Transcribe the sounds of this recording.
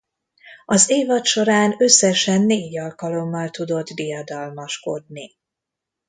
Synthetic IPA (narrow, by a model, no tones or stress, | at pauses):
ɒzeːvɒt̪ʃo̞ɾaːnø̞sːɛʃɛnːeːɟɒlkɒlo̞mːɒlt̪ud̪o̞d̪bijɒd̪ɒlmɒʃko̞d̪ni